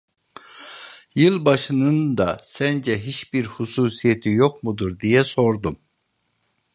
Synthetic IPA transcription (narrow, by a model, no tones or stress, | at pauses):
jɯlˠbɑʃɯnɯnd̪ɑsɛnd͡ʒɛɦit͡ʃbiɾhusuːsijet̪ʰijoqmud̪uɾd̪ijɛso̞ɾd̪um